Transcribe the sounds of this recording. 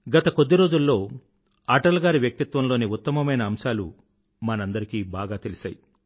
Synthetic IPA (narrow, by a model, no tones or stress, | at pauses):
ɡɐt̪ɐko̞d̪ːiɾo̞ːd͡ʒulːo̞ː | aːʈɐlɡaːɾiʋjɐk̚t̪it̪ʋɐmlo̞ːniut̪ːɐmɐmɐjnɐːmsaːlṵ | mɐnɐnd̪ɐɾikiːbaːɡaːt̪elisaːji